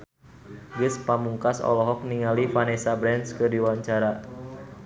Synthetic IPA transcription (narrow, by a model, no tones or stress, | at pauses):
ɡɨspamuŋkasɔ̰lɔɦɔk̚niŋalifanɛsabɾɛnskədiwaɲt͡ʃaɾa